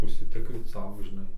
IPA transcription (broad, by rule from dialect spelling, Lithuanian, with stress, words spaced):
ʊʃʲsʲɪˈtʲɪkrʲiːt ˈsɐʊ ʒʲɪˈnɐɪ